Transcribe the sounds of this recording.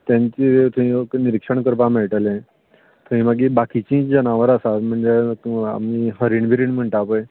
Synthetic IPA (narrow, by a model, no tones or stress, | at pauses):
t̪jãɲt͡ɕit̪ʰuĩəkniɾikʂəɳkəɾpamɛɭʈəlẽ | t̪ʰũʋĩmaɡibakit͡ɕĩd͡ʑənaʋəɾasat̪m̤əɳd͡zea̰miɦəɾiɳbʱiɾiːɳm̤əɳʈapəj